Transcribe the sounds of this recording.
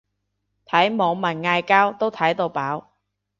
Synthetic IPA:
t̪ʰɐ˨˥jmɔː˨˧ŋmɐ˨˩nŋaː˧jkaː˥wt̪o˥wt̪ʰɐ˨˥jt̪o˧wpaː˨˥w

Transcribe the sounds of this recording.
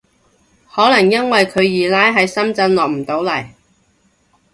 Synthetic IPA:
hɔː˨˥lɐ˨˩ŋjɐ˥nwɐ˨jkʰɵ˨˧ɥjiː˨laː˥jɦɐ˨˧jsɐ˥mt͡sɐ˧nlɔː˨k̚m̩˨˩t̪o˨˥wlɐ˨˩j

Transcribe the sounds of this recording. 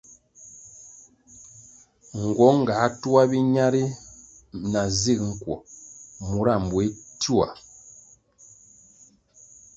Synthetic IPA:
ŋ̩˨ɡwɔ˨˦ŋ˨ɡa˨˦tu˦a˦bi˦ɲa˦ɾi˦ | na˨zi˦˨k̚ŋ̩˦kwɔ̰˨mu˨ɾa˦˨m˨bwe˨˦tu˦a̰˨

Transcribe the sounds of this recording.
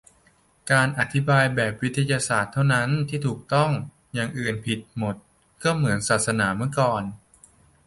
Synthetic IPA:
kaː˧nʔa˨˧t̪ʰi˦˥baː˧jbɛː˨˩p̚wi˦˥t̪ʰːa˧jaː˧saː˨˩t̪ʰːa˥˩wna˦˥nt̪ʰiː˥˩t̪ʰuː˨˩k̚t̪ɔ˥˩ŋ | jaː˨˧ŋʔɯː˨˩npʰi˨˩t̪̚mo˨˩t̪̚ | kɔ˥˩mɯ˩˦ənsaː˨˩t̪̚sa˧naː˩˦mɯ˥˩əkɔː˨˩n

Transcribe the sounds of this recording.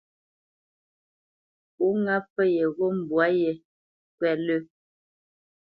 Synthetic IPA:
u˦ŋa˦fə˦je˨ɣo˦m̩˨bwa˦je˨ | kwɛ˨lə˦

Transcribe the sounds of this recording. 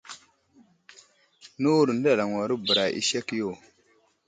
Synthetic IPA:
nu˦u˦ɾu˨n˦da˦˨la˨ŋwa˨ɾu˦bə˨ɾa˨ʔḭ˦ʃe˦kjo˦˨

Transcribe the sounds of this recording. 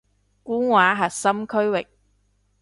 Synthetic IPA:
kuː˥nwaː˨˥ɦɐ˨t̚sɐ˥mkʰɵ˥ɥwɪ˨k̚

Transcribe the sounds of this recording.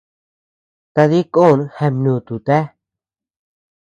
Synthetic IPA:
t̪a˧ði˦ko˦˨n˧he˧mnũ˨t̪u˨t̪e˦

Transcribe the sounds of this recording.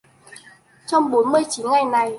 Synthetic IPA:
t͡ɕɔ˧wŋ͡mɓo˨˦nmɨ˧əjt͡ɕi˨˦nŋa˧˩jna˨˩j

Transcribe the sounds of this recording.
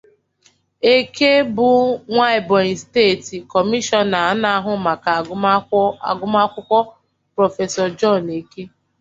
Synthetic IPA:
e˦ke˦bʊ˨ŋʷa˦ɪ˨bɔ̃˨steː˦˨ti˨kɔ˨mi˦ʃɔ˨na˨a˦na˦a˦ɦʊ˦ma˨ka˨ | a̰˨ɡʊ˦ma˦kʷʊ˦kʷɔ˦ | pɾɔ˨fe˨sɔ˨d͡ʒɔ˦˨ne˨ke˦

